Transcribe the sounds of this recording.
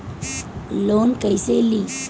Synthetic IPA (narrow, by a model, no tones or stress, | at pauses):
loːnkəjseli